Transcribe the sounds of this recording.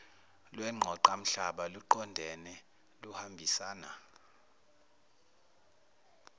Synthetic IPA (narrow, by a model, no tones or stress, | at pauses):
lwɛŋ͡ǃʱɔǃam̩ɬaɓaluǃɔndʱɛnɛ | luhambʱisaːna